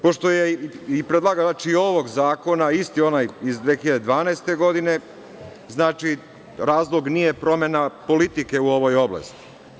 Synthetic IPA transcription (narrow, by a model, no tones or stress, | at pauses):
po̞ʃt̪o̞jeipɾed̪lˠaɡat͡ʃio̞ʋo̞ɡzaːko̞naist̪io̞najizd̪ʋeːxiʎad̪ed̪ʋaːnaest̪e̞ɡo̞d̪ine̞ | znaːt͡ʃi | ɾaːzlo̞ɡnijepɾo̞me̞napo̞lit̪ike̞uo̞ʋo̞jo̞bla̰st̪i̥